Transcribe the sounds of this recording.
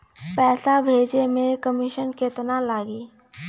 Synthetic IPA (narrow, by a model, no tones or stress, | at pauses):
pɛːsabʱeːd͡ʒemẽkəmiʃənkeːt̪nalaːɡiː